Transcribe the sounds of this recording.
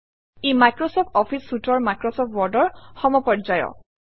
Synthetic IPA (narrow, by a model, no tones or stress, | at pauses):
emajkɹɔsɔp̚ʰtɔpʰisːutɔɹmajkɹɔsɔp̚twɔɹdɔɹxɔmɔpɔd͡ʒajɔ̰